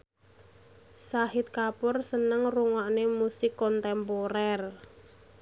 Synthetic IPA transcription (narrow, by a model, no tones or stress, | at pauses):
sahɪt̪̚kapʊrsənəŋruŋaʔnemusɪkːɔnt̪ɛmpoɾɛr